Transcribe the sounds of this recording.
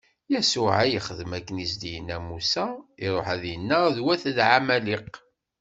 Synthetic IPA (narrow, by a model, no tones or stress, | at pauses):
jæsʊʕæjəχəðmækːənisd̪ijənːæmusæiɾˤoħæðjənːəðwæθðʕamæliq